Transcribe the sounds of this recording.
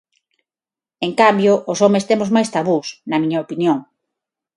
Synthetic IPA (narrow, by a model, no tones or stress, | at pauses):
eŋkambjoʔːsɔmest̪emozmajst̪aβusnɐmĩɲɐopinjoŋ